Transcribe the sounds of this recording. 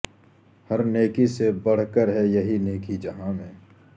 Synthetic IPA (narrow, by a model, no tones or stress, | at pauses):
hɐɾneːkisebɐɽ̤kəɾɦɛjɐɦineːkid͡ʒɐɦãmẽː